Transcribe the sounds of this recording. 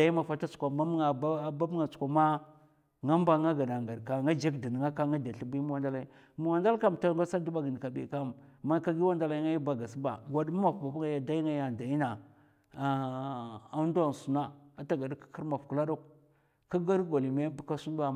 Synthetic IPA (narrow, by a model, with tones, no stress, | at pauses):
da˨i˦ma˨fa˦ta˦su̥˨kʷa˨ma˦m˦ŋa˨bba˦bŋa˨t͡su̥˨kʷa˨ma˦ | ŋa˦mba˦ŋa˦ɡa˨na˨ŋɡa˨ɾka˨ŋa˦d͡ʒa˦kdi˨n˨ŋa˦ka˦ŋa˦da˨ɬi˦bi˦mu˦wa˦nda˦la˦i˦ | mu˨wa˨nda˦lka˦˨m˨ta˦ŋɡa˦sa˦du˦ba˦ɡi˨n˨ka˨bḭ˨ka˦mma˦ka˦ɡi˦wa˦nda˦la˦i˦ŋa˦ji˦ba˨ɡa˨sba̰˨ɡa˨dma˦ma˨fba˨bŋa˦ja˨da˦i˦ŋa˦ja˨da˨i˦na˨ | a˦n˦da˦˨n˨su˨na˦a˨ta˦ɡa˨dkḁ˦ki˦ɾma˨fku˨la˦do˦k | ka˦ɡa˦ɾɡo˨li˨me˦bka˦su˦n˦ba˨